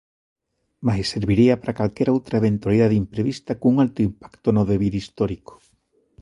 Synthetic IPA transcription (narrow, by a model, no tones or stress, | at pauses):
maseseɾβiɾiapaɾakalkeɾaowt̪ɾaeβent̪waliðaðimpɾeβist̪akuŋalt̪oimpḁkt̪onoðeβiðist̪oɾiko̥